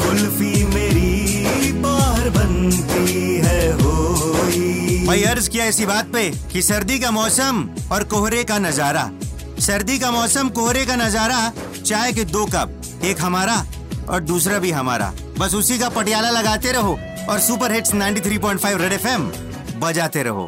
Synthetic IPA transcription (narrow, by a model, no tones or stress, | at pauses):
ʊlfimeːɾi | paːɦəɾbɐnt̪iɦɛɦoːipɐiɐɾzkijaɪsibaːt̪̚pekisɐɾd̪ikamɔːsəmɔːɾkoɦɾekanɐzaːɾa̰ | sɐɾd̪ikamɔːsəmkoɦɾekanɐzaːɾa | t͡ʃaːɦek̬ed̪oːkɐp̚ | eːkɦɐmaːɾa | ɔ̰ːɾd̪uːsɾabʱiɦɐma̰ːɾa̰ | bɐsʊsikapɐʈjaːlalɐɡaːt̪eɾɐɦo | ɔːɾsuːpəɾɦɪʈsnãːɪ̃ɳʈit̪ʰɾiːp̬ɔ̃ːɪ̃ɳʈ̚ʰfʰaːɪʋɾeɖeːfʰɛm | bɐd͡ʒaːt̪eɾɐ̰ɦo̰ː